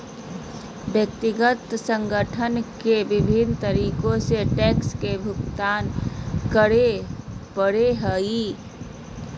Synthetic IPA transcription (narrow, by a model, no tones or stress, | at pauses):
bjək̚t̪iɡət̪sə̃ŋɡəʈʰənkebɪbʱint̪əɾikõseʈɛkskebʱʊkt̪aːnkəɾepəɽeɦəi